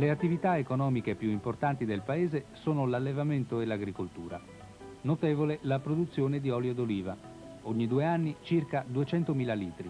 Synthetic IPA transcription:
leat̪ːivit̪aekonɔːmik̟epjuimport̪ant̪id̪elpaeːzesoːnolalːevament̪oelaɡɾikolt̪ṵːɾa̰ | not̪eːvolelapɾod̪ut̪sːjoːned̪iɔːljod̪oliːva | oɲːid̪ueanːit͡ʃirkad̪uet͡ʃɛnt̪omiːlaliːt̪ɾi

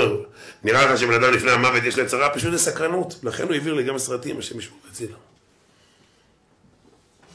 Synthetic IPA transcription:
niʁaleχaʃebenad̪amlifneamavet̪̬jeʃliet͡saʁapaʃ̬utlesakʁanut̪laχenhuiviʁliɡamesʁat̪imaʃemiʃmoɡet͡sila

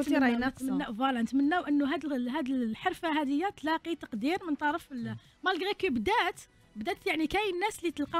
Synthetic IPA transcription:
nt̪mənːævˤɑlɑnət̪mənːæwʔənːuɦæd̪ɦæd̪əlħɑɾˤfaɦæd̪əjːat̪lɑqit̪ɑqd̪iɾmənt̪ˤɑɾˤəfl | mælɡɣækbd̪æt̪ | bd̪æt̪jaʕnikæjnːæslit̪əlqɑ

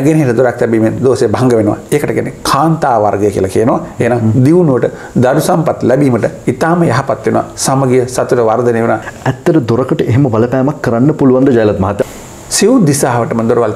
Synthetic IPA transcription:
ɡeneɦeʈɐd̪oɾakt̪ɛbiːmend̪oːsejbɐɐŋɡəʋenuʋa̰eːkəʈəɡɛ̰nekʰaːnt̪aːʋaɾɡɐjəkḭɐəlakijənuʋa̰eɦenaŋd̪iʋunuʋəʈə | d̪ɐɾusampat̪lɛbiːməʈəit̪aːməjaɦɐpat̪ʋenuʋa̰saməɡijəsɐt̪uʈəʋaɾd̪ɐneːʋnaɛt̪ːɐɾəd̪oɾɐkəʈəʔeɦeməbɐlɐpæːmakːɐɾanːəpuluʋand̪əd͡ʒajlat̪̚mɐɦɐt̪ːja | siʋud̪isaːɦʋəʈəmənd̪oɾuʋal

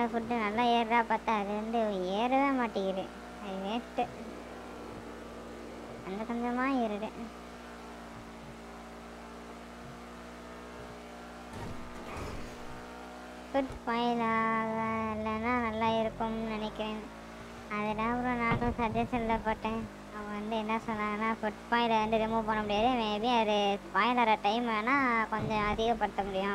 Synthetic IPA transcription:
ɐfʊʈːɯnɐlːaːeːɾɾaːpaːt̪ãːɐðɯʋɐnd̪ɯeːɾɯʋẽːmaːʈːɪɣɪɾḛː | ɐðɯʋeːʈːɯ | ɐnd̪ɐkɐnd̪ɐmaːɪɾɯɾɯ | fʊʈfaːjlaːɣɐɪlːɐnːãːnɐlːaːɪɾɯkːɯmnɪnɛkːɪɾẽːn | ɐðɛlãːɐpɯɾʊ̃naːnʊ̃sɐd͡ʒɛʂɐnlɐpoːʈːẽː | ɐʋɐ̃ʋɐnd̪ɯɛnːɐsɔnːaːŋɡɐnːaːfʊʈfaːɪlɐʋɐnd̪ɯɾɪmopɐːɳːɐmʊɽɪjaːðɯʋẽːbiɐðɯpaːjɪlaːɾɐʈɐɪmɐnːaːkɔɲd͡ʒɔ̃ɐðɪɣɐpːɐɽɯt̪ːɐmʊɽɪjʊ̃

